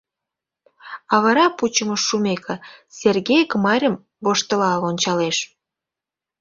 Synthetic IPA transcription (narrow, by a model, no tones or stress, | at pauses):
ɑβɑɾɑput͡ɕəməumekʰĕserɣejəkmɑɾʲəm | βoʃt̪əlɑlonʲt͡ɕɑleʃ